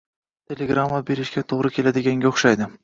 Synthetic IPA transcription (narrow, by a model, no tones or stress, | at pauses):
t̪ʰʲe̞lʲeɡɾamːabe̞ɾɪʃɡʲat̪ʰoʁɾɪkʲʰe̞lad̪ɪɡʲaŋɡʲaʊχʃajd̪ɪ